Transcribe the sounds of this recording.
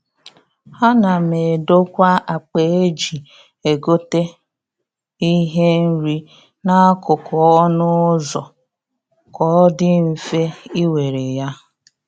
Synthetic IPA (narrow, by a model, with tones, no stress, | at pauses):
a˦na˨me˨do˦kʷa˦a˨k͡pe˨e˦d͡ʒi˨ | e˨ɡo˦te˦ | i˦ɦe˦n̩˦ɾi˦ | na˦kʊ˨kʊ˨ɔ˦nʊ˦zɔ˨ | kɔ˦dɪ˦m̩˨fe˦i˦we˨ɾe˨ja˦